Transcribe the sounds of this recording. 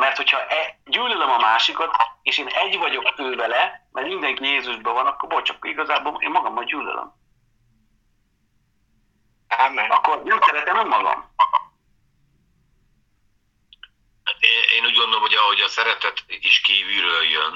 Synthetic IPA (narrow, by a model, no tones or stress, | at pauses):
mɛrt̪ho̞chɒʔɛɟyːlølømɒmaːʃikɒt̪eːʃeːnɛɟvɒɟo̞kføːvɛlɛmʔɛrmind̪ɛŋkijeːzuʒbɛvɒnɒkːorbolt͡ʃɒkːoiɡɒzaːboːlḛːmmɒɡɒmːɒɟyːlø̰lʔø̰m | aɛɒkːo̞rjømsɛɾɛt̪ɛmommɒɡɒ̰mɒɡm | eneːnuːɟɡo̞nd̪olomhoɟɒɦo̞ɟɒsɛɾɛt̪ɛt̪iʃkiːvyːløjøn